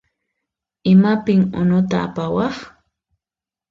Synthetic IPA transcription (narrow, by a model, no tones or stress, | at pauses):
ɪmapɪŋʊ̰nʊt̪a̰ːpawɑχ